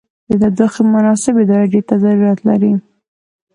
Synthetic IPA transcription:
d̪əd̪ad̪uxemʊnɑsɪbɪd̪ɑɾaɖet̪azaɾuɾɑt̪laɾi

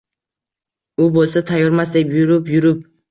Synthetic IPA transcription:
ʊbolˠsat̪ʰajoɾmasd̪epjʊɾʊpjʊɾʊp̚

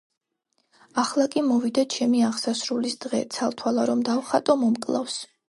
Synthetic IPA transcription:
aχlˠakʼimɔvid̪at͡ʃʰɛmiaʁsasɾulisd̪̥ʁɛ̰t̪sʰalˠt̪ʰwalˠaɾɔmd̪awχat̪ʼɔmɔmkʼlˠa̰fs

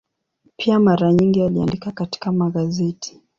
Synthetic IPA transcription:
pʰiamaɾaɲiŋɡialiandikakati̥kamaɠazɛtʰi̥

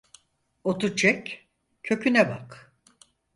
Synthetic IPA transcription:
ot̪ut͡ʃʰɛc | kʰø̞cʰynɛba̰k

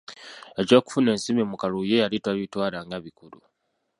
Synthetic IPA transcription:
e̞co̞ːku̥fune̞ːnsimimukalujejalitwaβitwaːlaŋɡaβikulu

